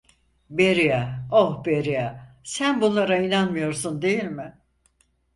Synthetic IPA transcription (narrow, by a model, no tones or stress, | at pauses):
beɾijaohbeɾijasænbunlˠaɾainanmɯjo̞ɾsund̪e̞jilʲmɪ